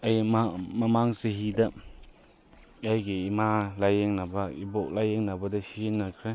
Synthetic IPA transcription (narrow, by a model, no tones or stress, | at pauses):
ajmmɐmaŋseɦidɐ | ajɡiimalajeŋnɐbɐibok̚lajeŋnɐbɐdɐsizinːakʰɾe